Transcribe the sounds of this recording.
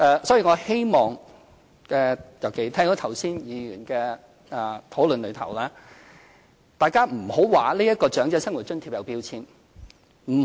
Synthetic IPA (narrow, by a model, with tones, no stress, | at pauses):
ʔɛː˧sɔː˨˥jiː˨ŋɔː˨˧he˥jmɔː˨ŋ | kɛː˧jɐ˨wke˨˩jt̪ʰɛː˥ŋt̪o˨˥t̪ʰɐ˨˩wsiː˥njiː˨˧jyː˨˩nkɛː˧ | ʔɛ˨˧t̪ʰo˨˥wlɵ˨˧nlɵ˨˧ɥt̪ʰɐ˨˩wlɛː˥ | t̪aː˨˩jkaː˥m̩˨˩ho˨˥wwaː˨liː˥jɐ˥t̚kɔː˧t͡ʃœː˨˥ŋt͡sɛː˧sɐ˥ŋwu˨t̚t͡ʃɵ˥nt̪ʰi˧p̚jɐ˨˧wpiː˧˥wt͡sʰiː˨˧n | m̩˨˩